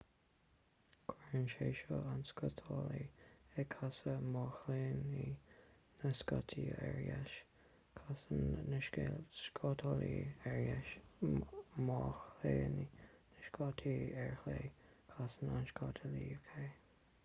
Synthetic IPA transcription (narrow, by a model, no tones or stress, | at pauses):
kʰwɛɹənʃeːʃɔanskɔt̪ʰɔliɛkʰasəmɔːxleːni | nəskɔt̪ʰiɛ̰ɹjaʃ | kʰasənnəʃskʰɔt̪ʰɔliɛɹjaʃ | mɔːxleːninəʃkɔt̪ʰiːɛɹxle | kʰasənanʃkɔt̪ʰɔlijukʰe